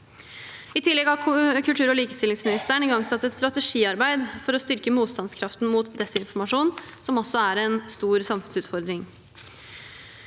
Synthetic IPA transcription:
ɪt̪ʰɪlːɛɡhɑːkʰʉlt̪ʰʉːɾɔliːkə̥st̪ɪlɪŋsmɪnɪst̪əəɳɪɡɑŋsɑt̪ːɛt̪st̪ɾɑt̪əʂiːɑɾbæɪd̪fɔɾɔst̪ʏɾkəmuːt̪st̪ɑnskʰɾɑft̪n̩muːt̪d̪ɛsɪnfɔɾmɑʂuːnsɔmɔsɔæɾɛnst̪uːɾsɑmfʉnsʉːt̪fɔɾd̪ɾɪŋ

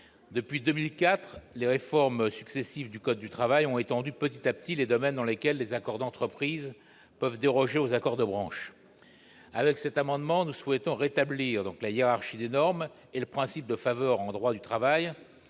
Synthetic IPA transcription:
d̪əpɥid̪əmilkʲat̪χleʁefɔʁmsyksesivd̪ykɔd̪̚ːyt̪χavajɔ̃et̪ɑ̃d̪ypət̪it̪ap̚t̪ʰiled̪ɔmɛnd̪ɑ̃lekʲɛlːezakɔʁd̪ɑ̃t̪χəpχiz | pœvd̪eʁɔʒeozakɔʁd̪əbʁɑ̃ʃ | avɛksɛt̪amɑ̃d̪mɑ̃nuswɛt̪ɔ̃ʁet̪abliʁd̪ɔ̃klajeʁaʁʃid̪enɔʁm | eləpχɛ̃sip̚d̪əfavœʁɑ̃d̪ʁwad̪yt̪χavaj

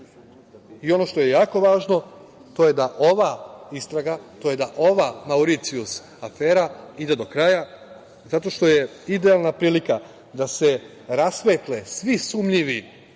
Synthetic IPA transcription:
io̞no̞ʃt̪o̞je̞jaːko̞ʋaːʒno̞t̪o̞jed̪aʔo̞ʋaist̪ɾaɡat̪o̞je̞d̪aʔo̞ʋamauɾit̪sius | afeːɾaid̪e̞d̪o̞kɾaːja | zat̪o̞ʃt̪o̞je̞ | id̪e̞alˠnapɾiːlika | d̪ase̞ | ɾasʋet̪lesʋisuːmʎiʋi

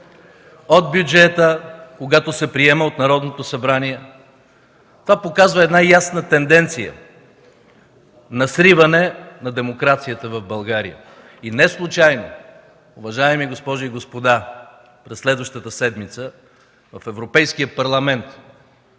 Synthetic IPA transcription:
od̪̚bjud͡ʒɛt̪əkoɡat̪osɛpɾiɛmɛot̪nɐɾɔd̪not̪osɐbɾaniɛ | t̪ovapokazvəɛd̪najasnət̪ɛnd̪ɛnt̪sijə̰ | nɐsɾivɐnɛnɐd̪ɛmokɾat̪sijət̪əvɐvbɐlˠɡaɾḭjə̰ | inɛslˠut͡ʃajno | ʊvɐʒaɛmiɡospɔʒʊiɡospod̪a | pɾɛsːlɛd̪vɐʃt̪ət̪əsɛd̪mit̪sə | vɐfɛvɾopɛjskiəpɐɾlˠɐmɛnt̪

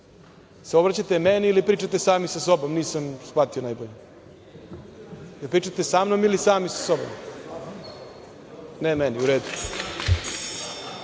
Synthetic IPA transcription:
seo̞bɾat͡ɕat̪emeniilipɾiːt͡ʃat̪esaːmisaso̞bomniːsamsplat̪io̞najboʎe | jeɾpɾiːt͡ʃat̪esaːmnomilisaːmisḁso̞bo̰m | nemeniuɾeːd̪u

